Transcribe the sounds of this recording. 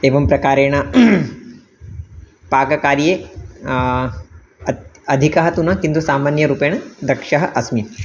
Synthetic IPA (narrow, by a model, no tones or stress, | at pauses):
eːʋɐmpɾɐkaːɾeːɽ̃ɐ | paːɡɐkaːɾjeː | ɐd̪ʱikɐɦɐt̪unɐkint̪usaːmaːnjɐɾuːpeːɳ̃ɐd̪ɐkʂɐɦɐʔɐsmi